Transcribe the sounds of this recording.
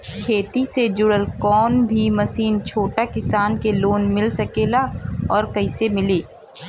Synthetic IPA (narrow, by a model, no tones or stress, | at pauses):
kʰeːt̪ised͡ʒʊɽəlkɔːnbʱimɐsiːnt͡ʃʰoːʈakɪsaːnkeloːnmɪlsɐkeːlaɔːɾkɐɪsemɪleː